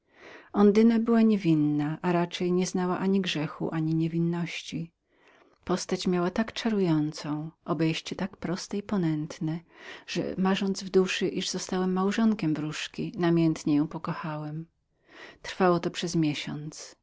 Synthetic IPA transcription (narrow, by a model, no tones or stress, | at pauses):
ɔnd̪ɘnabɘwaɲɛvʲinːaʔaɾat͡ʂɛjɲɛznawaʔaɲiɡʐɛxṵʔaɲiɲɛvʲinːɔɕt͡ɕi | pɔst̪at͡ɕmʲjawat̪akt͡ʂaɾujɔnt̪sɔ̃w̃ʔɔbɛjɕt͡ɕɛt̪akpɾɔst̪ɛipɔnɛnt̪nɛʐ̥ɛ̰maʐɔnd̪zvd̪uʂɘʔiʐz̥ɔst̪awɛmːawʐɔŋkʲɛmvɾuʂkʲinamʲjɛnt̪ɲɛjɔ̃w̃pɔkɔxawɛm | t̪ɾfawɔt̪ɔpʂɛzmʲjɛɕɔ̰nt̪s